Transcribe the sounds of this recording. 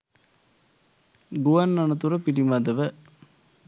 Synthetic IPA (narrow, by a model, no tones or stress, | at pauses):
ɡuʋɐnːɐnɐt̪̬uɾɐpiʈimɐd̪ɐʋɐ